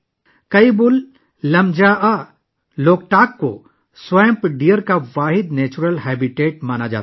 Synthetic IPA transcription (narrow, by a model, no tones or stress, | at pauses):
kɐibʊlː | ɐmd͡ʒaʔa | loːk̚ʈaːkːo̰ | swaːjə̃mpɖijəɾkaʋaːɦɪd̪nɛːt͡ʃʊɾəlɦɛːbɪʈeːʈ̚maːnad͡ʒa̰ːt̪